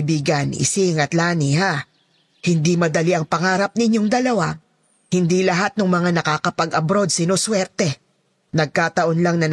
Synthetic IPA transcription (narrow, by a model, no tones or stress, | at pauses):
biːɡɐnʔɪ̰sɪŋɐt̪laːniha | hɪnd̪imɐd̪ɐliʔɐŋpɐŋaːɾɐp̚nɪɲjo̞ŋd̪ɐlɐwa | hɪnd̪ilɐɦat̪̚nʊŋmɐŋanɐkaːkɐpɐɡɐbɾo̞d̪̚sɪnoswɛɾt̪ɛ | nɐɡ̚kaːt̪ɐʔo̞nlaŋnɐn